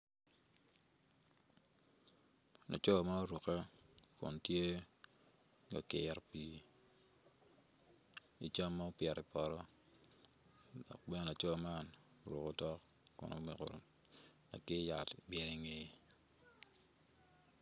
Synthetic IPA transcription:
na̰˨t͡ʃɔ˦˨ma˦ɾu˨ke˦kʊ̰˨ntje˦ | ɡa˨kɪ˨ɾpi˨ | ḭ˨t͡ʃa˦mːa˦o˦pjɛ˨ɾɪ˨pɔ˨ɾɔ˦ | dɔ̰˨k̚bɛ˦na˨t͡ʃɔ˦˨ma˦n˨ | ɾu˨ko˦tɔ˦k | kʊ̰˨no̰˦mi˨ko̰˨ | na̰˨kɪ˦ja˨tbjɛ˨ɾi˨ŋe˨

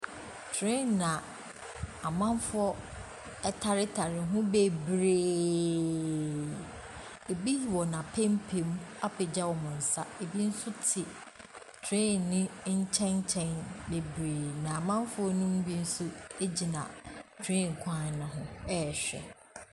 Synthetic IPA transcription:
tʰɪ̃˦n˨nã˨ | a˨mã˦m˦fʊ˦ɔ˦ | ɛ˦tʰa˨ɾɪ˦tʰa˨ɾɪ˨ɦʊ̃˦be˦bɾeː˨ | e˨bi˦ji˨wɔ˨nã˨pʰẽ˦m˦pʰe˨m˦a˦pʰɪ˨d͡ʑa˦wɔ˨mʊ̃˨n̩˨sa˦e˨bi˦n̩˦sʊ˦tʰɪ˨ | tʰɾɪ̃˦˨nɪ̃˦ɲ̩˦t͡ɕʰɛ̃˦ɲ˦t͡ɕʰɛ̃˦nbe˨bɾeː˨nã˨a˨mã˦m˦fʊ˦ɔ˦nũ˦m˦bi˦n̩˦sʊ˦e˦d͡ʑi˨nã̰˨tʰɪ̃˦˨ŋ̩˨kʷʰã˦˨n˨nã˨ɦʊ̃˦ɛ˦ɛ˨ɕᶣɛ̰˨

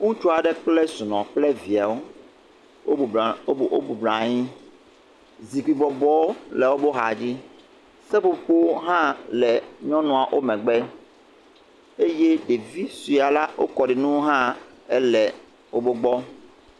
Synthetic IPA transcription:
ŋũ˦t͡ʃu˦a˨ɖɛ˦k͡plɛ˦su˨nɔ̃˨k͡plɛ˦vi˨a˨wo˦˨˦ | o̰˦bu˨blã˨ɲĩ˦ | zi˨ɡ͡bi˨bɔ˨bɔ˦o˦lɛ˨wo˦bo˦ɦa˨d͡ʑi˦ | sɛ˦po˨ɸo˦ɦã˦lɛ˨ɲɔ̃˦nɔ̃˨a˨ʔo˦mɛ̃˨ɡ͡bɛ˦ | e˦je˦ɖe˨vi˦su˨a˨la˦wʔo̰˦kɔ˨ɖi˨nũ˦ɦã˦ɛ̰˦lɛ˨ | wo˦bo˦ɡ͡bɔ˦

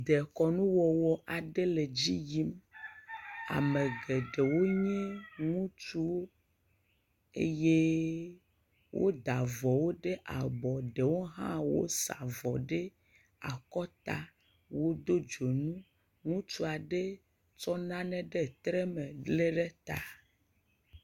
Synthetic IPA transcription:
d̪e˨kɔ˨nũ˦wɔ˨wɔ˨ʔa˨ɖe˦le˨d͡ʑi˦ji˦m | a̰˨mẽ˨ɡe˨ɖe˨wo˦ɲɛ̃˦ŋũ˦t͡ʃu˦wo˦ | ḛ˦je˦ | wʔo̰˦d̪a˨vɔ˨wo˦ɖe˦ʔa˨bɔ˨ɖe˨wo˦ɦã̰˦wo̰˦sa̰˨vɔ˨ɖe˦ | a˨kɔ˦t̪a˦ | wo˦d̪o˦d͡ʒo˨nũ˦ | ŋũ˦t͡ʃu˦a˨ɖe˦ | t͡ʃɔ˦nã˦nɛ̃˦ɖe˦˨t̪ɾe˦me˨le˦ɖe˦t̪a˨

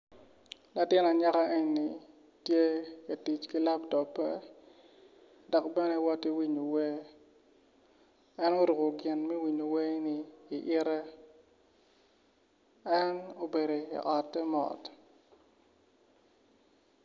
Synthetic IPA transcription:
la˨tɪ˦na˨ɲa˦ka˦ʔe˦ɲ˨ni˨ | tje˦a˨ti˨t͡ʃki˦la˦pdɔ˨pːɛ̰˦ | dɔ˨kbɛ˦nɛ˦wɔ˦ti˦wi˦ɲo˨we˦ | ɛ˦no˦ɾu˨ko˨ɡɪ˨nmɛ˦wi˨ɲo˨we˦niː˨ʔɪ˦ɾɛ˦ | ɛ˦no˦be˨ɾo˨ḭ˨ʔɔ˨tɛ˦mɔ̰˨t

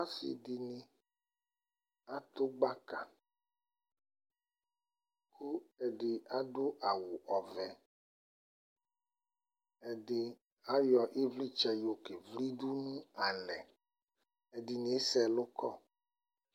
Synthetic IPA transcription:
a˦sḭ˨di˨nĩ˨ | a˦t̪o˦ɡ͡ba˦ka̰˨ | kʰu˦ɛ˨ɖɪ˨a˦do˦ʔa˨wu˨ʔɔ˨vɛ˨ | ɛ˨dɪ˨ | a˦jɔ˨ʔi˦vli˦t͡ʃɛ˦jo˨ke˨vli˦du˦nũ˦a˨nɛ˨ | e˨di˨ni˨˦sɛ˨lo˦kɔ̰˦

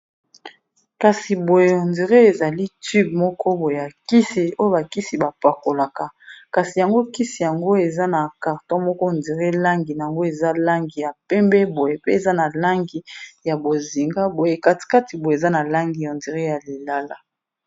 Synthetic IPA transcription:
ka˨si˨bo˨je˨o˨ndi˨ʁe˦e˨za˨li˦ty˦b̚mɔ˦kɔ˦bo˨je˨ja˨ki˦si˨o˦jo˦ba˨ki˦si˨ba˨pa˨ko˨la˨ka˨ka˨si˨ja˨ŋɡo˦ki˦si˨ja˨ŋɡo˦e˨za˦na˨ka˨ʁtɔ˦mɔ˦kɔ˦˨ndi˨ʁe˦la˦ŋɡi˨na˨ja˨ŋɡo˦e˨za˦la˦ŋɡi˨ja˨pɛ˦mbɛ˦bo˨je˨pe˦e˨za˦na˨la˦ŋɡi˨ja˨bo˨zi˨ŋɡa˦bo˨je˨ka˨ti̥˨ka˦ti˨bo˨jza˦na˨la˦ŋɡi˨jo˨ndi˨ʁe˦ja˨li˨la˦la˦

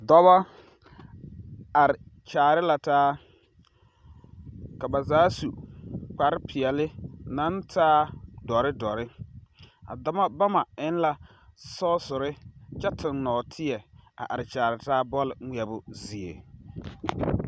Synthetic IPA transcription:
dɔ˦βa˦ | a˨ɾɪ˨t͡ʃaː˨ɾɪ˦la˨taː˦ | ka˨ba˨zaː˨˦su˨k͡pa˨ɾɪ˦pʰɪ˨ɛ˨lɪ˦na˦ntʰaː˦dɔ˨ɾɪ˦dɔ˨ɾɪ˦ | a̰˨dɔ˦ma˦ba˦ma˨ɪ˦n˦la˨ | sɔː˦sʊ˨ɾɪ˦t͡ʃɛ˦tʰɪ˨nːɔː˨tʰɪ˦ɛ˨a̰˨ʔa˨ɾɪ˨t͡ʃaː˨ɾɪ˨taː˦bɔ˦lɪ˨ŋi˨˦ɛ˨bʊ˨zi˨ḛ˨

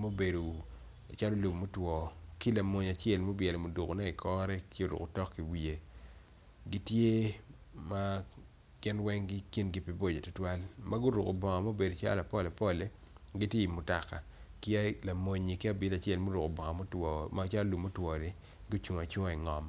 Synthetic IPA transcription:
mo˦be˨do˨ | t͡ʃa˦lo˦lu˨mmo˦twɔ˨ki˦la˨mo˨ɲ˨a˨t͡ʃe˦˨lmo˦bjɛ˨lo˨mo˨du˨ko˨nɛ˦ɪ˨kʰɔ˦ɾɛ˦kɪ˦o˨ɾṵ˨ko˨tɔ˦kːi˨wi˨e˨ | ɡi˦tje˦ma˦ | ɡ̥ɪ˦nwɛ˦ŋɡi˦ki˦nɡi˦pi˨bo˦˨d͡ʒe˨tɔ˦twa˦lma˦ɡʊ˦ɾu˨ko˨bɔ˨ŋɔ˨mo˦be˨do˨t͡ʃa̰˦la˨pɔ˦le˨pɔ˦le˦ | ɡi˦tje˦i˨mʊ˨ta˨ka˨ki˦a˦la˨mo˨ɲi˨ki˦a˦bɪ˦ta˨t͡ʃɛ˦lmo˦ɾʊ˨ko˨bɔ˨ŋɔ˨mo˦twɔ˨ma˦t͡ʃa˦lo˦lu˨mmːo˦twɔ˨ni˦ | ɡʊ˦t͡ʃu˨ŋ˨a˨t͡ʃu˦ŋ˦˨i˨ŋɔ˨m

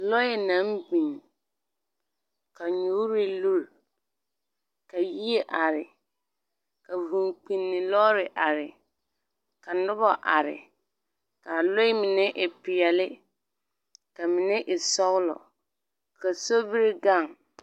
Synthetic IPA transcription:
lɔ˦ɪ˨na˨˦mbĩ˨ŋ | ka˨ɲu˦ɾɪ˦lu˦l | ka˨ji˦e˦ʔa˨ɾɪ˨ | ka˨vũ˨ŋk͡pi˨nːɪ˨lɔ˦ɾɪ˨ʔa˨ɾɪ˨ | ka˨nʊ˦bɔ˨ʔa˨ɾɪ̰˨ | ka˨lo˦ɪ˦mɪ˨nɛ˦ʔɪ˨pɪ˨ɛ˨lɪ˦ | ka˨mɪ˨nɛ˦ʔɪ˨sɔ˦ɣlɔ̰˨ | ka˨so˦bi˦ɾɪ˦ɡa˦˨ŋ

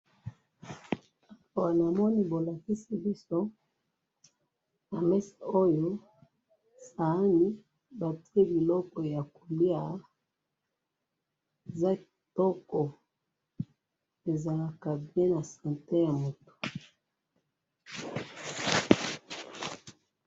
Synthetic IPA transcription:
a˨a˨wa˨na˨mɔ˦ni˦bo˨la˨ki˦si˦bi˦so˦ | na˨mɛ˦sa˨o˦jo˦ | sa˨a˦ni˦ | ba˨ti˦e˦bi˨lɔ˦kɔ˨ja˨ko˨li˦a˦ | e˨za˦ki˨tɔ˦kɔ˨ | e˨za˨la˦ka˨bjɛ̃˦na˨sã˨nte˦ja˨mo˨to̥˨

